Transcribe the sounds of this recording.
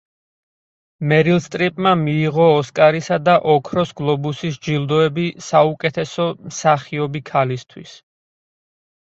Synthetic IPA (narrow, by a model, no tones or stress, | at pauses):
mɛɾilst̪ʼɾipʼmamiːʁɔːskʼaɾisad̪aʔɔkʰɾɔsɡlˠɔbusisd͡ʒild̪ɔɛbisaukʼɛt̪ʰɛsɔmsaχiɔbikʰalist̪ʰwḭs